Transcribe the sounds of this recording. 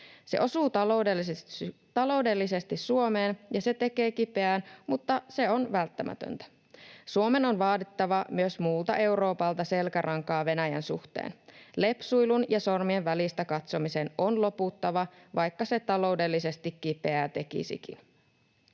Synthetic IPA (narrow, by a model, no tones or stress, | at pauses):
se̞ʔo̞suːt̪ɑloudelːt̪ɑlo̞ude̞lːise̞st̪issuo̞me̞ːnjɑse̞t̪e̞ke̞ːkipe̞æːnmut̪ːɑse̞o̞nʋælt̪ːæmæ̰t̪ø̰nt̪æ̥ | suome̞no̞nʋɑːt̪it̪ːɑʋɑmyøsmuːlt̪ɑ̰ʔe̞wɾo̞ːpɑlt̪ɑse̞lkæɾʔɑŋkɑːʋe̞næjæ̰nsṵxt̪ḛːnle̞psujlunjɑso̞rmienʋælist̪ækɑt̪so̞mise̞nonlo̞put̪ːɑʋɑʋɑjkːɑse̞t̪ɑlo̞wde̞lːise̞st̪ikːipe̞æt̪e̞kḭsḭkḭn